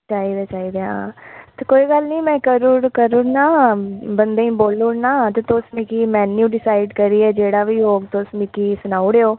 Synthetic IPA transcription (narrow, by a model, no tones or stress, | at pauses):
t͡ʃaːiːd̪eːt͡ʃaːiːd̪eːɦaːt̪eːkoːiːɡəlnĩːmɛ̃ːkəɾukəɾʊnaːbənd̪ẽːĩːboːlunaːt̪eːt̪oːsmikiːmɛːnjuːɖɪsaːɪɖkəɾiːɛːd͡ʒeːɽaːʋiːɦoːɡt̪oːsmikiːsʊnaːuɽeːoː